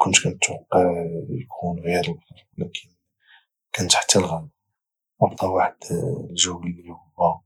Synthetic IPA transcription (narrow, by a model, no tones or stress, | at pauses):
kʊnt̪kænət̪wɑqːəʕjkʰunɣiɾəllɑɾwlækʰən | kænət̪ħt̪ʰːælɣæn | wɑbt̪ˤːɑwaħəd̪lʒəwːəlihʊwːæ